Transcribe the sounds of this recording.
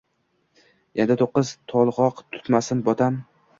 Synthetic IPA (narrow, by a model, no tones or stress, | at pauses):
end̪ɪt̪ʰoqːɨzt̪ʰɒlˠʁɒqt̪ʰʊ̥t̪masɪnbɒt̪ʰam